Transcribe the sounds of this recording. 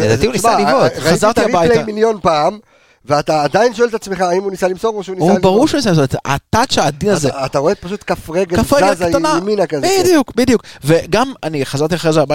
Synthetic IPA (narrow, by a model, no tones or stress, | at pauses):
led̪atiunisalivotazaʁt̪iabajtlemiljonpaam | veat̪aːd̪ainʃoelt̪at͡smeχaimunisalimsoɣkmoʃeunisubaʁuʁʃeunisalimsot̪a̰t̪at̪ʃead̪inazeat̪aʁoepaʃut̪kafʁeɡekafʁeɡazkt̪anaminakazbeid̪ijukbid̪ijukveɡamaniχazaʁt̪iaχʁezeabaj